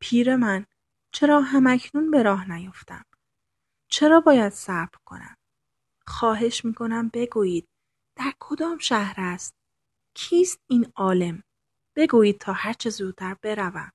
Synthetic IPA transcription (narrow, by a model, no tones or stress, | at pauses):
pʰiːɾe̞mæn | t͡ʃʰe̞ɾɒːɦæmæcʰnunbe̞ɾɒːɦnæjo̞ft̪æ̰m | t͡ʃʰe̞ɾɒːbɒːjæd̪̥sæɾb̥ɾkʰo̞̰næ̰m | xɒːɦe̞ʃmiːkʰo̞næmbe̞ɡuːjiːd̪̥̚ | d̪̥æɾkʰo̞d̪ɒːmʃæhɾæst̪̚ | cʰiːst̪̚iːnɒːle̞m | b̥e̞ɡuːjiːd̪̥̚t̪ʰɒːhæɾt͡ʃʰezuːt̪ʰːæɾb̥e̞ɾævæm